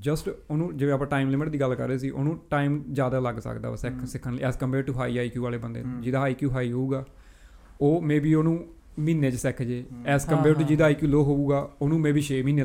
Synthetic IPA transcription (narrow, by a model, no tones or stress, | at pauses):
d͡ʒəsʈoːnũːd͡ʒeːʋẽːaːp̬ãːʈaːɪmlɪmɪʈd̪iːɡəlkə̰ɾːeːs̬iːʔo̰ːnũːʈaːɪmzjaːd̪aːləɡsə̰kd̪a̰ːsɛkʰsɪkʰːənlːɛːskəmpeːɖʈuːɦaːiaːikjuːʋaːleːbənd̪ḛːd͡ʒɪd̪aːaːiːkjuːɦaːiːɦoːuːɡaː | oːmẽːbiːoːnũː | miːnːẽːt͡ʃsɛːkʰd͡ʒeːɛːskəmpɛːɾʈuːd͡ʒid̪aːiːkjuːloːɦoːuːɡaːoːnũːmẽːbiːʃeːmiːneː